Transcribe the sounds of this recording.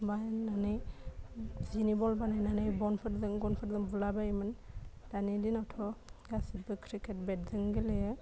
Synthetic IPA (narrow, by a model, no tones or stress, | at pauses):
bajnanɯj | zinibɔlbanajnanajbɔnpʰɯtzɯŋɡɔnpʰɯtzɯŋbulabaimɯndanidinatʰɔɡasitbɯkʰɾikʰet̚bet̚zɯŋɡilejɯ